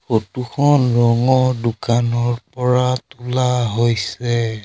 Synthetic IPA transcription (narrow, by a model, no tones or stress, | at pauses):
xotukʰɔnɹɔŋɔdukanɔɹpɔɹatulaɦojsɛ